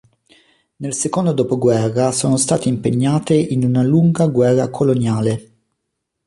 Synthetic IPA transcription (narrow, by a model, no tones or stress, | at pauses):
nelsekond̪od̪oːpoɡwɛrːasoːnost̪aːt̪eimpeɲːaːt̪einunaluŋɡaɡwɛrːakʰolonjaːle